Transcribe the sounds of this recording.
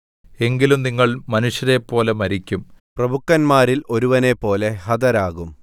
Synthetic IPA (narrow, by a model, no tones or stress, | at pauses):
e̞ŋɡilumniŋːɐɭmɐnuʂjɐɾepːo̞ːlɐmɐɾikʲːumprɐbʱukːɐnmaːɾilo̞ɾuʋɐne̞pːo̞ːle̞hɐd̪ɐɾaːɣum